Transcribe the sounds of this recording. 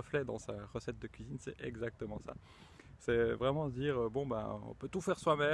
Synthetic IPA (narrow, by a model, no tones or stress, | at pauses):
əflɛd̪ɑ̃saʁəsɛt̪̚d̪əkʲɥizinsɛʔɛ̰ɡzak̚t̪əmɑ̃sa̰ | sɛvʁɛmɑ̃səd̪iːʁøbɔ̃bã̰ɔ̰̃pøt̪ufɛʁswamɛ